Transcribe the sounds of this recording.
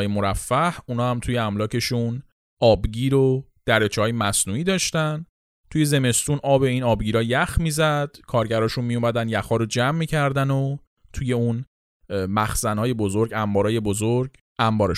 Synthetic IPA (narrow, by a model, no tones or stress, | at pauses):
jemoɾæfːæhunɒːhæmt̪ʰujeæmlɒːce̞ʃun | ɒːbɟiːɾod̪̥æɾet͡ʃʰeɒːjemæsnuːiːd̪ɒːʃt̪æn | t̪ʰuje̞ze̞me̞st̪uːnʔɒːbe̞inɒːbɟiːɾɒːjæxmiːzæd̪̥kʰɒːɾɟæɾɒːʃunmijomæd̪ænjæxɒːɾod͡ʒæmːiːcʰæɾd̪æno | t̪ʰuje̞un | mæxz̥ænhɒːje̞bo̞zo̞ɾɟæmbɒːɾɒːje̞bozoɾɟ | æmbɒːɾe